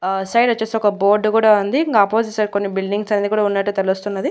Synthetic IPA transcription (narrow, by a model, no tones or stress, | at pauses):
sɐjɖɐt͡ʃːeːsɔkɐboːɾɖkuːɽaːund̪iɡaːpoːzisɐɾkonːibilɖiŋɡsɐneːd̪ikuːɽaːunːɐʈːut̪eɭust̪unːɐd̪i